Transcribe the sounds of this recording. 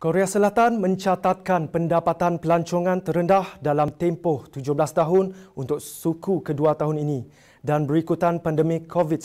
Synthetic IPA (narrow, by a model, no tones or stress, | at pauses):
koɾeasəlat̪anmə̃ɲt͡ʃat̪at̪̚kanpəndapat̪anpəlaɲt͡ʃoŋãnt̪əɾəndahdalamt̪ɛmpɔht̪ud͡ʒʊhblast̪aɦʊnunt̪ʊk̚sukukəduat̪aɦuninĩ | danbəɾikut̪anpandəmikʰːovit̚